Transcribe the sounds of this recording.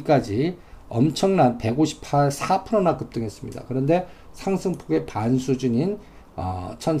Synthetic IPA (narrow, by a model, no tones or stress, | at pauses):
ik͈ad͡ʑiʌ̰mt͡ɕʰʌŋnanpe̞ɡoɕʰi̥pʰaɭsʰapʰɯɾonakɯp̚t͈ɯŋɦe̞s͈ɯmɲḭda̰kɯɾʌnde̞ | sʰaŋsʰɯŋpʰoɡe̞pansʰud͡ʑuɲin | ʌ̰t͡ɕʰʌn